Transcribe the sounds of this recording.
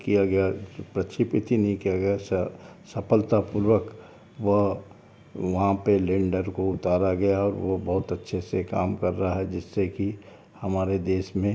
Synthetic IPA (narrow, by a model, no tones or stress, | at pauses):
kijaɡɐjapɾɐt͡ʃʰipɪt̪ʰinɐɦĩkijaɡɐjassɐpʰəlt̪apuɾʋək | ʋəɦ | ʋɐɦãpelẽːɳɖəɾkoʊt̪aːɾaɡɐjaɔːɾʋobɐɦʊt̪ɐtːʃʰeseka̰ːmkɐɾːɐɦaɦɛd͡ʒɪsːeki | hɐmaːɾed̪eːsmẽ